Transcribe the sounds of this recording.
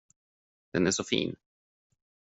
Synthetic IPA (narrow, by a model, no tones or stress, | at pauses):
d̪̥ɛnæʂɔfḭːn